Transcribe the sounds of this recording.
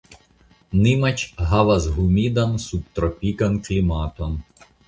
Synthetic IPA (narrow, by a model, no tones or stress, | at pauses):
nɪmɐt͡ʃɦɑʋɐzɦumʲid̪ɐnsup̚t̪ɾɔpʲikɐnklʲimɑt̪ɔn